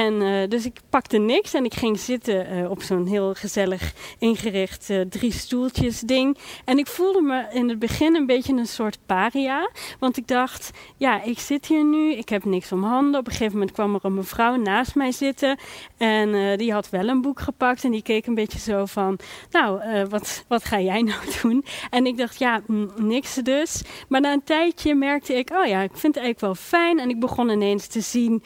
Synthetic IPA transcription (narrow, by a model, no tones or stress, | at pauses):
ɛndøs̬ɪkpɑktənɪksɛnɪkχɪŋz̥ɪtəɔpsoːnɦɪːlˠχəzɛləχɪnχərɪχtədristulˠtəsdɪŋɛnɪkfulˠdəmaɪnəd̚bəχɪnənbejtənənsʊːɹtpaːriaʋɑntɪɡ̚dɑχtjaːʔɪksɪtɦiːɹnyɪkɦɛpnɪksɔmɦɑndəɔpəχejvəmɛnt̚kʋɑmərɔməvrɔwnaːstmɛjzɪtəɛndiɦɑtʋɛlˠənbukχəpɑk̚tɛndikejkənbetjəzowvɑnːowəʋɑtʋɑtχaːjɛjnɔwdunɛnɪɡ̚dɑχtjanɪksdøsmaːɹnaːəntɛjtəmɛɹk̚təɪkoːwjaɪkfɪntɛjɣləkʋɛlˠfɛjnɛnɪɡ̚bəχɔnɪnejnstəzin